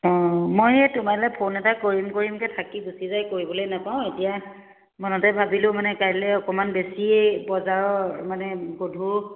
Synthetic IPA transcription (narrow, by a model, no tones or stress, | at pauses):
ɔ̃mojɛtʊmalɛpʰonɛtakoɹimkoɹimkɛtʰakiɡusizajkoɹibɔlojnapaʊ̃etija | mɔnɔtɛbʱabilʊ̃manɛkaɹlɛɔkɔmanbesibɔzaɹɔmanɛbodʱu